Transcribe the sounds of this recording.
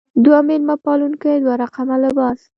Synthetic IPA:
d̪wamɪlmapɑlunkajd̪waɾaqamalɪbɑs

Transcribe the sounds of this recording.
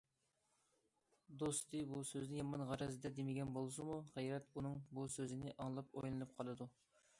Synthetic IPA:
d̪ost̪ɨbusøznɪjɑmɑnʁɑɾɛzd̪ɛd̪emɪɡʲɛnbolˠsumuʁæjɾɛt̪unɨŋbusøzɪnɪʔɑŋlˠɑpojlˠɨnɨp̚qʰɑlˠɨd̪u

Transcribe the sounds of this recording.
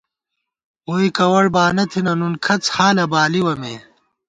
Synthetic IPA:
woːikɐwɐɽbaːnɐt̪ʰinɐnunkʰɐt͡shaːlɐbaːliwɐmḛː

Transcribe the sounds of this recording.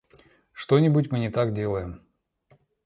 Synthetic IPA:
ʂt̪o̞nʲɪbʊtʲmɨnʲɪt̪akdʲe̞lˠəjɪm

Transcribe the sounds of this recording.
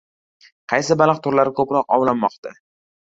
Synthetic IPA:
qʰɑjsɪbalˠɨqt̪ʰʊɾlaɾɪkʰɵpɾɒqɒ̰wlanmɒqt̪ʰa

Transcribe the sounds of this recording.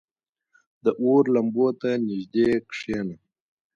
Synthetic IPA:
d̪əʔoɾlɐmbot̪anɪʒd̪ekʂeːna

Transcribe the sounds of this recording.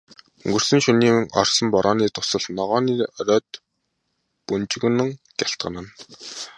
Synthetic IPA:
ŋɡɵ̆rsɘ̆nʃɵniːmɘ̆ŋʔɔ̰rsɞ̆mpɔɾʔɔːniːt̪ʰʊ̥sə̆ɮnɔʁɔːniːɔɾœːt̪̚ | punt͡ɕɪ̆ɣ̆nə̆ŋ | ɡ̥ʲaɬt̪̚ɢə̆nə̆n

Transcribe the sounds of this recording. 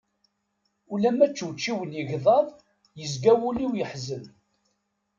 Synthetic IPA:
ulæmæt͡ʃːuwt͡ʃːiwənjəʝðˤɑðˤ | jəzɡæwuliwjəħzən

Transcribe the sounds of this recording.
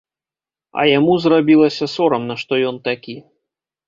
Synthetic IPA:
ɐ̰jamuzrabʲilˠɐsʲɐsɔɾɐmnɐʂt̪ɔjɔnt̪akʲi

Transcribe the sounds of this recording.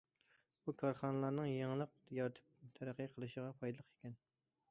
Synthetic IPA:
bukʰɑɾχɑnɨlˠɑɾnɨŋjeŋlˠəq̚jɑɾt̪ʰɨ̥p̚t̪ʰæɾæqːəqʰəlˠɨʃəʁɑpʰɑjd̪ɨlˠəqe̥kʲɛn

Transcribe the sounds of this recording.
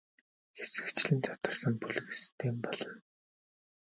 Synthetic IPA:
xesɘ̥̆kt͡ɕɮɘ̆nt͡sʰɔt̪ə̆rsə̆ŋpuɮɣɘ̆st̪ʰeːmpɔɮ̥ɞ̆n

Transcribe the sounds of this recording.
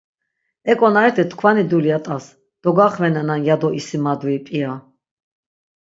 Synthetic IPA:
ɛkʼɔnaɛt̪ʰɛt̪ʰkʰvanid̪uliat̪ʼas | d̪̥ɔɡaχvɛnananjad̪ɔʔisimad̪vipʼia

